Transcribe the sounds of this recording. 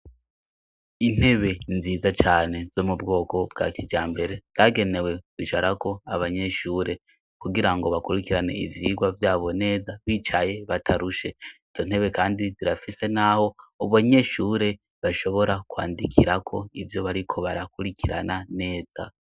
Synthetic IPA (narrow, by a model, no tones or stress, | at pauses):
in̥he̞βe̞nziːzat͡ʃaːne̞z̥o̞mubɡo̞ːko̞b̚ɡa̰ːkʰid͡ʒaːmbe̞ɾe̞z̥aːɡe̞ne̞we̞wiʃaɾakʰo̞aβaɲe̞ʃuːɾe̞ | kuɡiɾaŋɡo̞βakuɾikiɾane̞̰ḭvjiːɡwavjaːβo̞ne̞ːzaβit͡ʃaje̞βatʰaɾuʃe̞iz̥o̞n̥e̞βe̞kaːndiziɾafise̞naho̞uβaɲe̞ʃuːɾe̞ | βaʃo̞βo̞ɾakwaːndikʰiɾakʰo̞ivjo̞βaɾikʰo̞βaɾakuɾikʰiɾa̰nane̞ːz̥a